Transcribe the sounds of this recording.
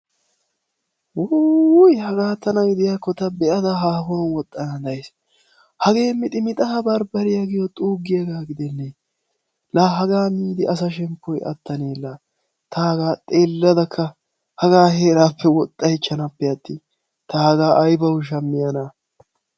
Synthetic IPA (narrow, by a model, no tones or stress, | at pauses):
wujhɐɡaːt̪ːɐnɐɡɪd̪ɪjaːkːɔt̪ɐbɛʔɐd̪ɐɦaːfɔnwɔt̪ʼːɐnɐd̪ɐjs | hɐɡe̞ːmːɪt̪ʼɪmɪt̪ʼɐhɐbɐɾbɐɾɪjɐɡɪjɔt̪ʼuːɡːɪjɐɡaːɡɪd̪ɛnːe | laːɦɐɡaːmiːd̪ɪʔɐs̬ɐʃ̬ɛmpʰːɔjʔɐ̰t̪ːɐneːlːaː | t̪ɐhɐɡaːt̪ʼe̞ːlːɐd̪ɐkʰːɐ | hɐɡaːɦeːɾaːpʰːɛwɔt̪ʼːɐhɪt͡ʃːɐnɐpːɛɐt̪ːi | t̪ɐhɐɡaːʔɐjbɐwʊʃ̬ɐmːɪjɐna